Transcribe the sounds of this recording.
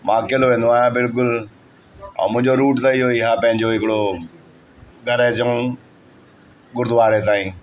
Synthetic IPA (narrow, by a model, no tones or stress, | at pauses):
mãːkeloʋẽːnd̪oaːɦjãbɪlk̬ʊl | ã̰ːmʊ̃ɦɪ̃ɲd͡ʑoɾuːʈt̪ɐɪɦoɪɦãːpɐ̃ɦɪ̃ɲd͡ʑoɦɪkɪɽo | ɡʱɐɾet͡ɕəũ | ɠʊɾd̪ʱʊʋaːɾet̪aːĩː